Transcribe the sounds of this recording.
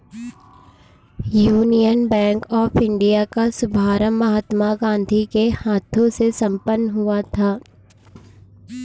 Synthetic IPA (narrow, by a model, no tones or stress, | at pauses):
juːnijənbɛ̃ːŋkɔːfɪ̃ɳɖijakasʊbʱaːɾəmːɐɦaːt̪maɡãːnd̪ʱikehaːt̪ʰõsesɐ̃mpənːɦʊat̪ʰaː